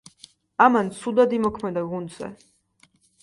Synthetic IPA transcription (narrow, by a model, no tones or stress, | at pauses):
amansʰud̪ad̪imɔkʰmɛd̪aɡund̪z̥ɛ̰